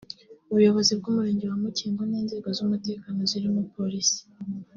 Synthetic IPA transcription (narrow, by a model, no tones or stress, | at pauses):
uβujo̞βo̞zib̚ɡuːmuɾeːɲɟewamuciːŋɡoniːnze̞ːɡo̞zumute̞ːkano̞ziɾimupo̞ɾisi̥